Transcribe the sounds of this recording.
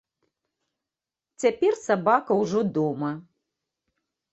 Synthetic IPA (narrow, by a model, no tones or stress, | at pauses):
t͡sʲapʲɛrsabakɐwʐɔd̪ɔmɐ